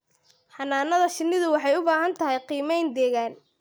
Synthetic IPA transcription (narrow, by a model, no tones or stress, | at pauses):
ħɑnːaːnɐðɐʃɪnːɪðʊwɑħɑjʊbaːɦɐnt̪ʰɐɦɛjqiːmɛjnd̪ɛːɣaːn